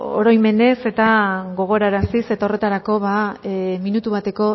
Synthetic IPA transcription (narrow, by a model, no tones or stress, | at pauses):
o̰ɾo̞jme̞ne̞se̞t̪aɣo̞ɣ̞o̞ɾaɾasise̞t̪aore̞t̪aɾako̞βaminut̪uβ̞at̪e̞ko̞